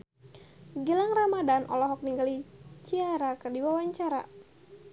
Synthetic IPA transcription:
ɡəlaŋramadanʔɔ̰lɔɦɔk̚niŋɡalit͡ʃiaɾakərdiwawaɲt͡ʃaɾa̰

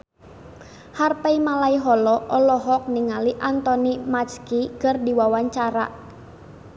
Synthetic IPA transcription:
harpaimalaiɦɔlɔʔɔlɔɦɔk̚niŋaliʔant̪ɔnimat͡ʃkikɨrdiwawaɲt͡ʃaɾa̰

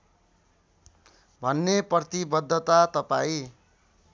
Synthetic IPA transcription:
bʱʌnːeprʌt̪ibʌd̪ʱːʌt̪at̪ʌpaĩ

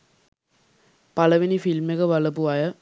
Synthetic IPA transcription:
pɐlɐʋinifilmeɣɐʋɐlɐpːɯʋaːjɐ

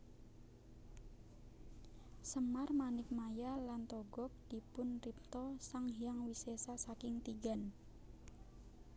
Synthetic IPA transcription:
səmarmanɪk̚majalant̪ɔɡɔk̚d̪̥i̤pʊnrip̚t̪ɔsaŋɦjaŋwisesasakɪŋt̪iɡan

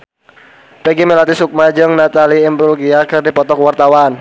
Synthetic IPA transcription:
pɛɡimelat̪isuk̚mad͡ʒəŋnat̪aliːmbɾulɡiakərdipɔt̪ɔkwart̪awan

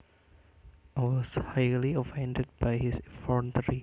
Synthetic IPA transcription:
ajwɔshajliəfɛ̃ndɛd̚bajhisfɔntəɾi

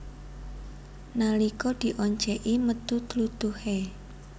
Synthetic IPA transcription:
nalikɔd̪̥i̤ʔɔɲt͡ʃɛʔimət̪ut̪lut̪uhe

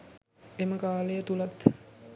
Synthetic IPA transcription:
eməkaːlejət̪ulat̪

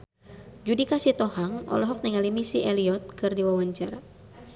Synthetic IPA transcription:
d͡ʒudikasit̪ɔhaŋɔ̰lɔɦɔk̚nɛŋalimisiʔɛliɔt̪̚kɨrdiwawaɲt͡ʃaɾa

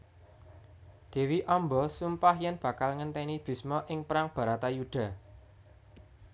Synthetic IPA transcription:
d̪̥e̤wiʔɔmbɔsumpahjanb̥ä̤kalŋənt̪ɛnib̥i̤smɔʔɪŋpɾaŋb̥ä̤ɾat̪ajuɖ̪̥a̤

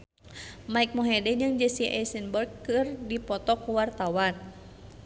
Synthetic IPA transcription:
maik̚mɔɦɛdɛɲɨŋd͡ʒəsiʔɛ̰sənbərkːɨrdipɔt̪ɔkuwart̪awan

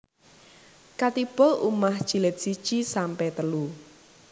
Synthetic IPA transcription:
kat̪ib̥ɔʔumahʒ̥i̤lɪt̪̚sid̥ʒ̥isampɛt̪əlu

